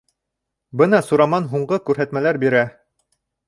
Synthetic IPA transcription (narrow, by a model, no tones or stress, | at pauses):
bɤnɑsuɾɑmɑnɦuɴɢɤkʉɾɦæt̪mælæɾbiɾæ